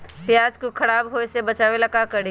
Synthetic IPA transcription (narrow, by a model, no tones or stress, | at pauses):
pjaːd͡ʒkokʰɐɽaːbɦoːesebət͡ʃaːʋelɐkakəɾi